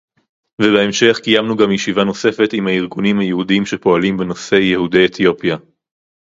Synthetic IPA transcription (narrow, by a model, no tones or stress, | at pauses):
vebeemʃe̞χkijamnuɡamjeʃivano̞se̞fe̞timhaiʁɡunimhajehudiimʃepo̞alimbe̞no̞se̞jehude̞jet̪ʰjo̞pja